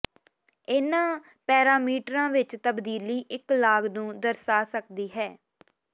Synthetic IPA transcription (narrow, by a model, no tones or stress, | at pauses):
ɪnãː | pɛːɾaːmiːʈɾãːʋɪt͡ʃt̪əbd̪iːliːʔɪklaːɡnũːd̪əɾsaːsəkd̪iːɦɛː